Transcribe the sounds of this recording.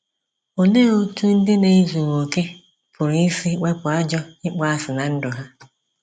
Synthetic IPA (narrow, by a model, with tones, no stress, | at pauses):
o˨ne˦o˦tu˦n̩˦dɪ˦ne˨i˦zu˨ŋo˨ke˦ | pʰʊ˨ɾsi˦k͡pe˦pʊ˨a˦d͡ʒɔ˦ɪ˦k͡pa˦a˦sɪ˨na˨n̩˦dʊ˨ɦa˦